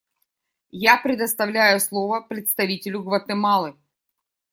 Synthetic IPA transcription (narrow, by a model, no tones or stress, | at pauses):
japɾʲɪd̪əst̪ɐvlʲæjʊslˠovəpɾʲɪt̪st̪ɐvʲitʲɪlʲʊɡvɐt̪ɨmɑlˠɨ